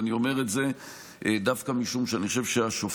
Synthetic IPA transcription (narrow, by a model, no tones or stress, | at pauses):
nio̞meʁetze̞ | ʔd̪afkamiʃumʃeaniχoʃevʃeaʃof